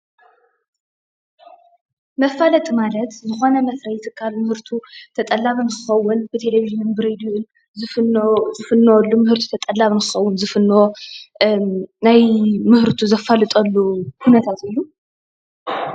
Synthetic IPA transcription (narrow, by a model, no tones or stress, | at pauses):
mɐfːalɐt̪ʼmalɐt̪zɨxo̞nɐmɐsɾɐjɪt̪ʰɨkʰːalmɨhɨɾt̪ʰut̪ʰɐt̪ʼɐlːaβɨnkʰɨxɐwːʊnb̥ɨt̪ʰe̞levizionbɨɾed̪uʊn | z | zɨfɨnːowlːumɨhɨɾt̪ʰu̥t̪ʰɐt̪ʼɐlːaβɨnkɨxɐwːʊnzɨfɨnːwo | najmɨhɨɾt̪ʰuzɐfːɐlɨt̪ʼɐlːuhunɐt̪ʰat̪ɨjːu